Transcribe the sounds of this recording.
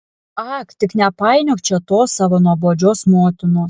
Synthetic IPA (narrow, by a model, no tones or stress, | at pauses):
ɐkt̪ʲɪknʲɛpɑɪnʲokt͡ʃʲɛt̪oːsɑʋɐnuɔboːd͡ʒʲoːsmoːt̪ʲɪnoːs